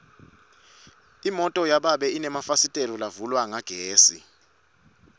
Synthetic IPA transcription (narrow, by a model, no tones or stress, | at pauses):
imɔtʼɔjaɓaɓɛinɛmafasitʼelɔlavulwaŋaɡ̥ʱeːsi